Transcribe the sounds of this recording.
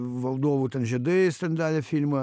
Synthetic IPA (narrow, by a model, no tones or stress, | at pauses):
ʋɐlˠd̪oːʋut̪ʲɛnʒʲɛd̪ɨst̪ɐnʲd̪æːlʲɛfʲilʲmɐ